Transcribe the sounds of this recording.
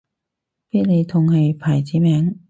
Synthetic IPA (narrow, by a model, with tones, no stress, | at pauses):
piː˥t̚le˨˧jt̪ʰʊ˨˩ŋhe˨˧jpʰaː˨˩jt͡siː˨˥mɛː˨˥ŋ